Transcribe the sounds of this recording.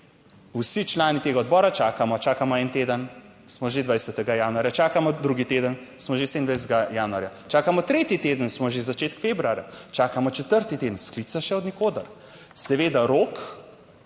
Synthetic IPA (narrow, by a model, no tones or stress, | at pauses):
usit͡ʃlaːnit̪eːɡaɔd̪̚bɔːɾat͡ʃaːkamɔt͡ʃaːkamɔɛnt̪eːd̪ən | smɔʒed̪vʋajsɛt̪ɛɡajaːnuaːɾjat͡ʃaːkamɔd̪ɾuɡit̪ed̪ən | smɔʒesend̪ʋajsɛt̪ɛɡajaːnuaɾjat͡ʃaːkamɔt̪ɾeːt̪it̪eːd̪ənsmɔʒezat͡ʃeːt̪kfeːbɾuaːɾja̰t͡ʃaːkamɔt͡ʃɛt̪əɾt̪it̪eːd̪ənsklit̪saʃɛɔd̪nikoːd̪əɾ | sɛʋeːd̪aɾok